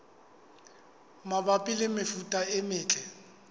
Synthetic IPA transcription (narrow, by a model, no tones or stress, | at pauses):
mabapʼɪlɪmɪfutʼaɪmɪːt͡ɬʼɛ